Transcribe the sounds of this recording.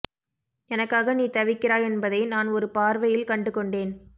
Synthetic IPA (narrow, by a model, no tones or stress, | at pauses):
ɛnɐkːaːɣɐniːt̪ɐʋɪkːɪɾaːjɛnbɐðɐɪnaːnɔɾɯpaːɾʋɐjɪlkɐɳɖɯkːɔɳɖeːn